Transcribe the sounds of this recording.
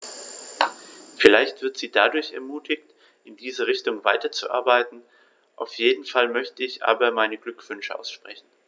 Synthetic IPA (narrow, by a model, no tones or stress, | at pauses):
fɪlaɪçtv̥ɪɐtz̥iːdadʊɐçɛ̰ɐmuːtʰɪçt | ʔɪndiːzəʁɪçtʊŋvaɪtɐt͡sṵʔa̰ɐbaɪtn̩ | ʔaʊfjeːdn̩falmœçtəɪçʔa̰ːbɐmaɪnəɡlʏkv̥ʏnʃəʔa̰ʊsʃpʁ̥ɛçn̩